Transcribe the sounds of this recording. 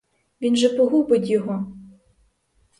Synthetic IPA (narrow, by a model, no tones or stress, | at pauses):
ʋʲinʒɛpɔɦubɪt̪ʲjɔɦɔ